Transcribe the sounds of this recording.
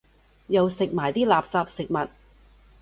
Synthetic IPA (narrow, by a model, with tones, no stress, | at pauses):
jɐ˨wsɪ˨k̚maː˨˩jt̪iː˥laː˨psaː˧p̚sɪ˨k̚mɐ˨˩t̚